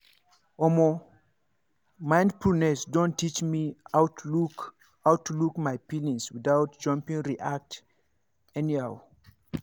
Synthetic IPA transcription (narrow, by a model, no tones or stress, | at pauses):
ɔmo | mãɪ̃ndfulˠnɛsdõntʰːit͡ʃmiaʊtu | aʊtːulukmajpilĩŋswɪðaʊt̚d͡ʒ̥ʌ̃mpĩŋɹiʔak̚t | ɛniaw